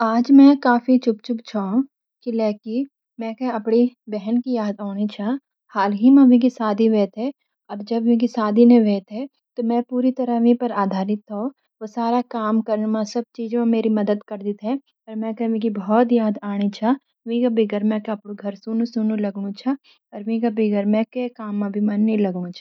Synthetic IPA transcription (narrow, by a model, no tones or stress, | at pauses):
aːd͡ʒmɛ̃kaːfit͡ʃʊpt͡ʃʊpt͡ʃʰo | kilɛːki | mɛ̃keɐpɽibɛɦɛnkijaːd̪aːɽ̃it͡ʃʰa | haːlɦimãʋĩkisaːd̪ʱiʋeːt̪ɦɛ | ɐbd͡ʒɐbʋĩkisaːd̪ʱinẽʋeːt̪ɦɛ | t̪omɛ̃puːɾit̪ɐɾəʋĩpɐɾaːd̪ʱaːɾɪt̪ɦo | ʋosaːɾakaːmkɐɾnmãsɐb̚t͡ʃiːd͡ʒãmeːɾimɐd̪əd̪kɐɾd̪ɪt̪ɦɛ̃ | ɐɾmɛ̃kɐʋĩkibɔɔt̪jaːd̪aːɽ̃it͡ʃʰa | ʋĩkabiɡəɾmɛ̃ːkaɐpɽuɡʱɐɾsuːnũsuːnũlɐɡɽũt͡ʃʰa | ɔɾʋĩːɡabɪɡəɾmɛ̃kekaːmːãbʱimɐ̃nːilɐɡɽ̃ũt͡ʃʰɐ